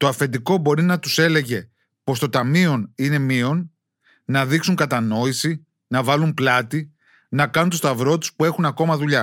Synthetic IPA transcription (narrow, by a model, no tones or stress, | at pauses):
t̪oɐfe̞nd̪iko̞bo̞ɾinɐt̪use̞le̞ʝe̞ | po̞st̪o̞t̪ɐmio̞nine̞mio̞n | nɐðiksuŋkɐt̪ɐno̞isi | nɐvɐlumplɐt̪i | nɐkɐnunt̪ost̪ɐvɾo̞t̪u̥spue̞xunɐko̞mɐðuʎɐ